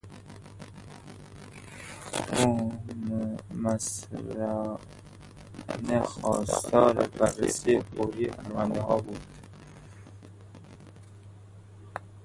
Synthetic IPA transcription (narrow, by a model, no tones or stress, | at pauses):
uː | mæsɾæ | nexɒ̰ːst̪ɒːɾebærːḛsiːeboːɾipʰæɾvænd̪ehɒːbuːd̪̥